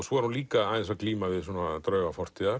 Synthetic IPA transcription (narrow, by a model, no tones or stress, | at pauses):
sɔɛɾ̥hunliːkaaðɛnsakliːmaðɪðsɔːnat̪ɾœːvafɔr̥t̪ɪðaɾ